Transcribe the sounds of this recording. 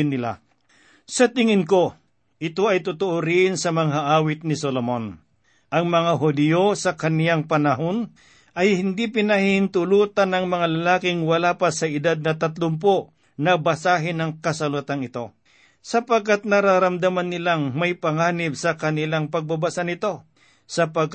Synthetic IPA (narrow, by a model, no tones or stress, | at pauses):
nːɪla̰ | sɐt̪ɪŋɪnko̞ | ʔɪt̪oɐjt̪ʊt̪ʊʔoɾɪnsɐmɐŋɦaʔaːwɪt̪̚nɪsolomon | ʔɐŋmɐŋaɦʊd̪ɪjosɐkɐnjaŋpɐnɐɦon | ʔɐjhɪnd̪ipɪnɐhɪnt̪ʊluːt̪ɐnɐŋmɐŋalɐlaːkɪŋwɐlaːpɐsɐɪd̪ad̪̚nɐt̪ɐt̪lʊmp̬o | nɐbɐsaːɦɪnɐŋkɐsɐlut̪anɪt̪o̞ | sɐpɐɡ̚kat̪̚nɐɾaɾɐmd̪amanːɪlaŋmɐjpɐŋaːnɪbsɐkɐnɪlaŋpɐɡ̚bɐbasanɪt̪o̞ | sɐpaɡ̚k